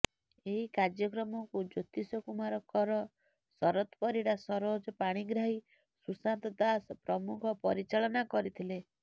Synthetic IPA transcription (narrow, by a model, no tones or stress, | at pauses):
eɦikaɾd͡ʒjɔkɾɔmɔkud͡ʒot̪isɔkumaɾɔkɔɾɔ | sɔɾɔt̪pɔɾiɽasɔɾod͡ʒɔpaɽ̃iɡɾaɦi | susant̪ɔd̪aspɾɔmukʰɔpɔɾit͡ʃaɭɔnakɔɾit̪ʰile